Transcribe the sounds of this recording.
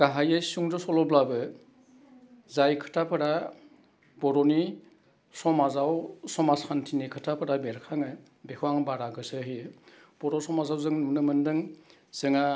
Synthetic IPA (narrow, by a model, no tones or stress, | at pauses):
ɡ̥aɦajɯsuŋdɔsɔlɔblabɯ | zajkʰɯ̥tʰapʰɯɾa | bɔɾɔni | sɔmazawsɔmasantʰinikʰɯtʰapʰɯɾabeɾkʰaŋɯ | bekʰuwaŋbaɾaɡɯsɯɦi | b̥ɔɾɔsɔmazawzɯŋnunɯmɯndɯŋ | z̥ɯŋa